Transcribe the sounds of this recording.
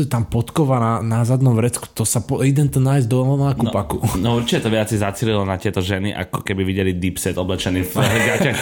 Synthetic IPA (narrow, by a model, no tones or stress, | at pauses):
t̪ampɔt̪kɔʋananazad̪nɔmʋɾɛt͡sku̥t̪ɔsapɔid̪ɛnt̪ɔnaːjzd̪ɔɔmakupakunɔuɾt͡ʃicɛt̪ɔʋɪat͡sizat͡siːlilɔnat̪ɪɛt̪ɔʒɛniʔa̰kɔkɛbiʋiɟɛlid̪ipsɛt̪ɔblɛt͡ʃɛniːfɡaax